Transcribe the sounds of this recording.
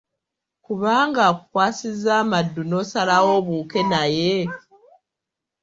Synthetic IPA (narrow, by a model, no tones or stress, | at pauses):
kuβaːŋɡakukwaːsizaːmadːuno̞salawo̞βuːke̞naje